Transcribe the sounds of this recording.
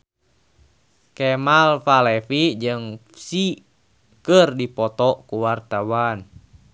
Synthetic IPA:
kɛmalfalɛfid͡ʒɨŋ | si | kərdipɔt̪ɔkuwart̪awan

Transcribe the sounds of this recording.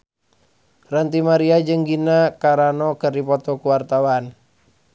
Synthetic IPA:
rənt̪imaɾiad͡ʒɨŋɡinakaɾanɔkɨrdipɔt̪ɔkuwart̪awan

